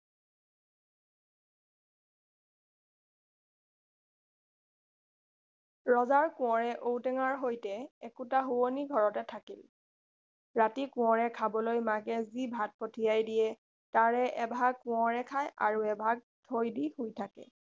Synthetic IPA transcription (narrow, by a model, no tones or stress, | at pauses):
ɹɔzaɹkʊ̃ɔɹɛʔowtɛŋaɹɦojtɛɛkutaɦuoniɡʱɔɹɔtɛtʰakil | ɹatikʊ̃ɔɹɛkʰabɔlojmakɛzibʱat̚potʰijajdijɛ | taɹɛʔɛbʱaɡ̚kʊ̃ɔɹɛkʰaja̰ɹuɛbʱaɡ̚tʰojdihojtʰakɛ̰